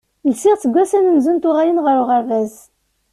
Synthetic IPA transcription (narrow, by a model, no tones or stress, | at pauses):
əlsɪʁt͡sːəɡʷːæsænənzunt̪ʊʁajənʁəɾʊʁəɾvæz